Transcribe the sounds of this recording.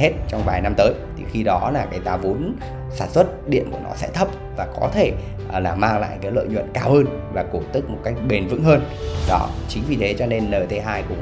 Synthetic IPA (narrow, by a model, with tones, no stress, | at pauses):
he˦˥t̚t͡ɕɔ˧wŋ͡mvaː˨˩jna˧mt̪əː˨˦jt̪ʰḭ˨˩xi˧ɗɔ˨˦laː˨˩kaː˨˦jt̪aː˧vu˨˦ən | saː˧˩nswə˦˥t̚ɗḭ˧˨əku˧˩ənɔ̰˨˦sɛ̰˧˥t̪ʰə˦˥p̚vaː˨˩kɔ˨˦t̪ʰe˧˩ | laː˨˩maː˧ŋla̰ː˧˨jkaː˨˦jlə̰ː˧˨jɲwə̰˧˨nkaː˧whəː˧n | vaː˨˩ku˧˩t̪ɨ˦˥k̚mo˨˩t̚ka˦˥jk̟̚ɓe˨˩nvɨ̰˧˥ŋɦəː˧n | ɗɔ˨˦t͡ɕï˨˦ŋvi˨˩t̪ʰe˨˦t͡ɕɔ˧ne˧nːəː˨˩jt̪ʰe˨˦ɦaː˧jkʊ̰˧˥ŋ͡m